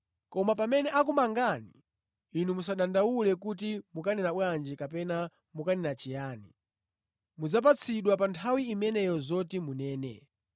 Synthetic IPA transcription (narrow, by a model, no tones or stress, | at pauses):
kɔmap̬amɛnɛʔak̬umaŋɡaniː | numus̬aɗandawulɛkut̬imukanɛnaɓwand͡ʒikapɛna | mukanɛnat͡ʃijaːni | mud͡zap̬at͡sʰiɗwapantʰawiːmɛnɛjɔzɔtimunɛːnɛ̰